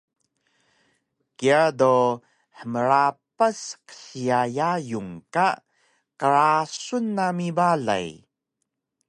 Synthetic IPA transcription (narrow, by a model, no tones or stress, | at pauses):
kiado | ħəməɾapasqə̥ɬiajajuŋka | kəɾasunːamibaɮa̰j